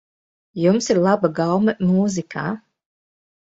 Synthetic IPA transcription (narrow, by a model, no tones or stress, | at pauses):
jumsiɾlˠabaɡawmɐmuːzikʰa̰ː